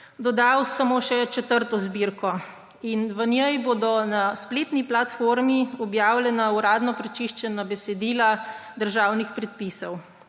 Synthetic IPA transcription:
d̪ɔd̪awsamoːʃɛt͡ʃɛt̪əɾt̪ɔzbiɾkɔ | inʋənjɛjboːd̪ɔnaspleːt̪niplat̪foɾmiɔbjaːwlʲɛnauɾaːd̪nɔpɾɛt͡ʃiʃt͡ʃɛnabɛsɛd̪iːlad̪əɾʒaːwnixpɾɛt̪̚pisɔw

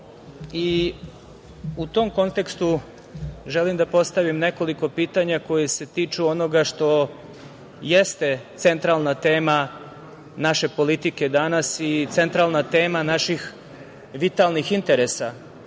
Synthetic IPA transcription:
i | ut̪o̞mko̞nt̪e̞kst̪u | ʒelimd̪apo̞st̪aʋimne̞ko̞liko̞piːt̪aɲako̞jese̞t̪iːt͡ʃuo̞no̞ɡaʃt̪o̞ | jest̪e̞t̪se̞nt̪ɾalˠnat̪eːma | naʃe̞po̞lit̪ike̞d̪anasit̪se̞nt̪ɾalˠnat̪e̞ːmanaʃix | ʋit̪alˠnixint̪e̞ɾesa

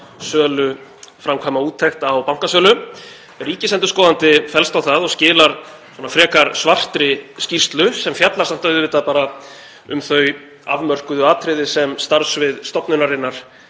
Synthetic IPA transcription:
sœːlʏfɾamkʰvaːjmauːt̪ʰːɛxt̪awpawŋ̥kasœːlʏ | riːcɪsɛnt̪ʏskɔːðant̪ɪfɛlst̪awθaðɔɣscɪːlaɾ | sɔːnafɾɛːkaɾsvar̥t̪ɾɪscist̪lʏsɛmfjat̪laɾsam̥t̪ːœɥðʏvɪt̪ːapaːɾa | ʏmθœɥ | a̰vmœr̥kʏðʏaːt̪ʰɾɪðɪsɛmst̪aɾsvɪðst̪ɔpnʏnaɾɪnːaɾ̥

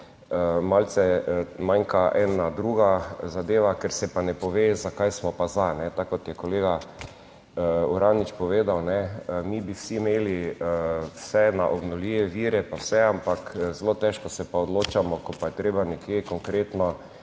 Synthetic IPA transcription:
əmalt̪sɛmaŋkaʔɛːnad̪ɾuɡazad̪eːʋakɛɾsɛpanɛpɔʋezakajsmɔpazanɛt̪akːɔt̪jɛkɔleːɡa | əuɾaːnit͡ʃpɔʋeːd̪awnɛəmibiwsiːmeːliəwsɛnaʔɔbnɔliːʋɛʋiːɾɛpawsɛampakzloːt̪ɛʃkɔsɛpaɔd̪loːt͡ʃamɔkɔpajɛt̪ɾeːbanɛkjekɔŋkɾeːt̪nɔ

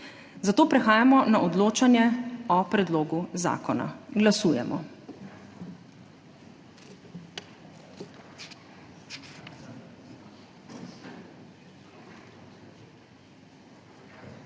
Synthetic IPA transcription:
zat̪oːpɾɛxaːjamɔnaʔɔd̪loːt͡ʃanjɛɔpɾɛd̪loːɡuza̰ːkɔna̰ɡlasuːjɛmɔ̰

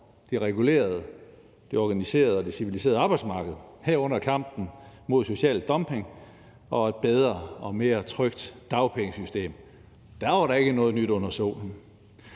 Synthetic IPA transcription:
d̥iʁɛɡ̥ule̝̰ːɐð̞̩ˠ | d̥iɒɡ̥ænise̝̰ːɐð̞̩ˠɒd̥isiʋilis̬e̝ːɐð̞̩ˠɑ̈ːb̥ɑɪdsmɑ̈ːɡ̥əð̞̩ˠhæɐ̰ɔ̽n̰ɐkʰɑ̈m̰b̥n̩mo̝ð̞̰ˠso̝ɕɛ̰ːlːɒ̽mpʰe̝ŋ | ɒ̽e̝d̥̚b̥eð̞ˠʁɐɒ̽me̝ːɐt͡sʰʁœɡ̥d̥ɑ̈ʊpʰeŋəsysd̥e̝̰ːm | d̥æɐʋɑ̈ɾɑ̈e̝ɡ̥ənɔ̽ːð̩ˠnyd̥ɔ̽n̰ɐso̝̰ːln̩

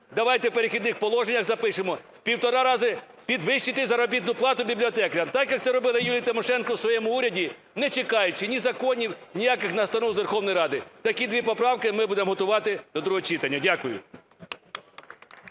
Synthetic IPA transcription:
d̪ɐʋɑjt̪ɛwpeɾexʲid̪nɪxpɔlˠɔʒenʲːɐxzɐpɪʂɪmɔ | pʲiwt̪ɔɾɑɾɑzɪ | pʲid̪ʋɪʃt͡ʃɪt̪ɪzɐɾɔbʲit̪nʊplˠɑt̪ʊbʲiblʲiɔt̪ɛkɾʲɐmt̪ɑkjɐk̚t̪sɛɾɔbɪlˠɪjulʲijɐt̪ɪmɔʃɛnkɔwsʋɔjɛmʊuɾʲɐdʲi | nɛt͡ʃekɑjʊt͡ʃɪnʲizɐkɔnʲiwnʲijakɪxnɐst̪ɐnɔwzʋerxɔwnɔjɾɑd̪ɪt̪ɐkʲid̪ʋʲipɔpɾɑwkɪmɪbud̪emɦɔt̪ʊʋɑt̪ɪd̪ɔd̪ɾʊɦɔt͡ʃit̪ɐnʲːɐdʲakʊjʊ̰

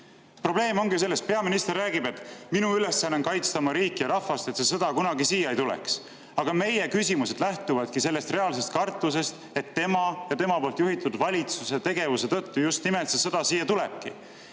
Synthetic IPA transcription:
pro̞b̥le̞ːmo̞ŋɡis̬e̞lːe̞st̪̚pe̞ɑminist̪e̞rːæːɡibe̞t̪ːˑminuyle̞sːɑnːeŋkɑjt̪st̪ɑmɑɾiːkːˑijɑɾɑfɑst̪e̞t̪se̞sɤd̪̥ɑkunɑɡisiːjɑejt̪ulḛks | ɑɡ̥ɑme̞je̞kysʲimuse̞d̪̥læht̪uvɑd̪̥kise̞lːe̞st̪re̞ɑls̬e̞st̪̚kɑrt̪ːˑus̬e̞st̪ | e̞t̪ːe̞mɑjɑt̪e̞mɑpo̞ːlt̪juɦit̪ud̪vɑlʲit̪suset̪e̞ɡe̞vuse̞t̪ɤ̞t̪ːujust̪nimelt̪sesɤd̪̥ɑsiːjːɑt̪ule̞b̥̚kḭ

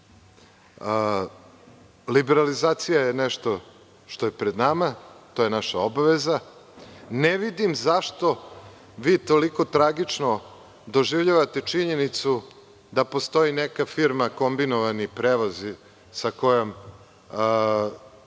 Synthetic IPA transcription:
libeɾalizaːt̪sijajeneʃt̪o̞ | ʃt̪o̞jepɾed̪namat̪o̞jenaʃaobaʋeza | neʋid̪imzaʃt̪o̞ | ʋiːt̪o̞liko̞t̪ɾaɡit͡ʂno̞ | d̪o̞ʒiʋʎaʋat̪e̞t͡ʂiɲe̞nit̪su | d̪apo̞st̪o̞inekafiɾmako̞mbinoʋanipɾeʋozi | sako̞jom

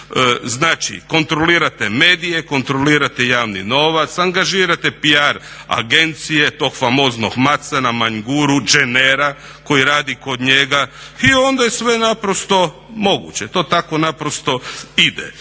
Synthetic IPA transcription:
znaːt͡ʃḭko̞nt̪ɾoliːɾat̪eme̞ːd̪ijeko̞nt̪ɾoliːɾat̪ejaːʋnḭno̞ʋat̪saŋɡaʒiːɾat̪epiaɾ | a̰ɡe̞nt̪sije̞t̪o̞ːɡfamo̞ːznoɡmat̪sanamaɲɡuɾud͡ʒeneɾa | ko̞jiɾaːd̪iko̞d̪ɲe̞ɡaio̞nd̪ajesʋe̞napɾost̪o̞ | mo̞ɡṵt͡ɕe̞t̪o̞ːt̪ako̞napɾost̪o̞id̪ḛ

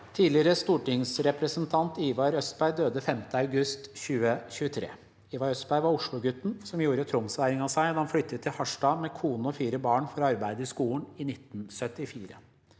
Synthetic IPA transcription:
t̪ʰiːlɪəɾəst̪uːʈɪŋsɾɛpɾəsənt̪ʰɑnt̪iːʋɑɾœsbæɪd̪øːd̪əfɛmt̪əɑʉɡʉst̪çʉːəçʉːət̪ʰɾḛː | iːʋɑɾœst̪bæɪʋɑɾʊʂɭʊɡʉt̪ːn̩sɔmjuːɾət̪ʰɾʊmsʋæɾɪŋɑsæɪhɑnflʏt̪ːət̪ʰːɪlhɑʂʈɑːmɛkʰuːnəɔfiːɾəbɑːɳfɔɾɑɾbæɪd̪əɪskuːln̩ɪnɪt̪ːnsœt̪ɪfiːɾə̰

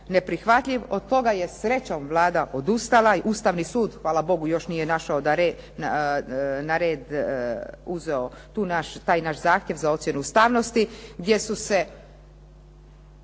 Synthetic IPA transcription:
ne̞pɾixʋat̪ʎʲiʋo̞d̪̚t̪o̞ɡaje̞sɾe̞t͡ɕomʋlˠaːd̪aʔo̞d̪ust̪alaiʔust̪aʋnisuːd̪xʋaːlabo̞ɡujo̞ʃnijenaʃaod̪aɾe | n | naɾeːd̪ | uzeo̞t̪uːnaʃt̪aːjnaʃzaːxt̪ʲjeʋzao̞t̪sje̞nuust̪aːʋno̞st̪iɡd̪ʲje̞suse

